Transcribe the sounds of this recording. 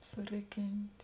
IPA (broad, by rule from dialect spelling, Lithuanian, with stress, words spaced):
sʊˈrʲɪˌkʲɪnʲtʲ